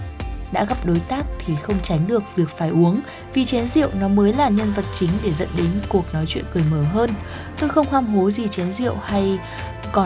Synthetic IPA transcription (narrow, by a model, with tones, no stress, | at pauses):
ɗa̰ː˧˥ɣa˦˥p̚ɗo˨˦jt̪aː˦˥k̚t̪ʰi˨˩xə˧wŋ͡mt͡ɕa˨˦jŋɗɨ˨˩ək̚vi˨˩ək̚faː˧˩jʔu˨˦əŋ | vi˨˩t͡ɕɛ˨˦nzḭ˧˨əwnɔ˨˦məː˨˦jlaː˨˩ɲə˧nvə˨˩t̚t͡ɕï˨˦ŋ̟ɗe˧˩zə̰˧˥nɗe˨˦nku˨˩ək̚nɔ˨˦jt͡ɕwḭ˧˨ənkɨ˨˩əjməː˧˩ɦəː˧n | t̪o˧jxə˧wŋ͡mhwaː˧mɦo˨˦zi˨˩t͡ɕɛ˨˦nzḭ˧˨əwha˧j | kɔ˨˦